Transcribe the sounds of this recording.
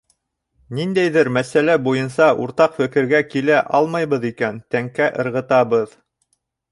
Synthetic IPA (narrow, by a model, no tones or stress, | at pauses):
nind̪æjðɘɾmæsælæbujɤ̆nsɑʔuɾt̪ɑqfɘ̆kɘ̆ɾɡækilæʔɑlˠmɑjβɤðikænt̪æŋkæʔɤ̆ɾʁɤ̆t̪ɑβɤð